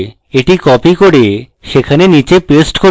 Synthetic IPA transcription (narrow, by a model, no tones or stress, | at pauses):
eʈikɔpikoɽe | ʃekʰanenit͡ɕepesʈko